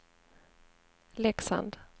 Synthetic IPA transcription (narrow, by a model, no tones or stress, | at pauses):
lɛksa̰nd̪